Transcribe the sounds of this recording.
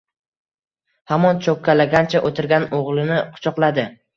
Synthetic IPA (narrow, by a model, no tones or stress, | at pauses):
hamɒnt͡ʃʰokʲʰːalaɡʲant͡ʃʰaʔot̪ʰɪɾɡʲanoʁlˠɪnɪqʰʊ̥t͡ʃʰɒqlˠad̪ɪ